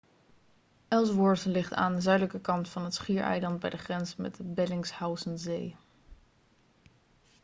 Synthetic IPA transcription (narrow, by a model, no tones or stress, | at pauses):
ʔɛlˠsʋʊːɹtəlɪχta̰ːndəzœɥdələkəkɑntfɑnɦətsχiːɹɛ̰jlɑnd̚bɛ̰jdəχrɛnzəmɛ̰d̚dəbɛlɪŋshawsənzej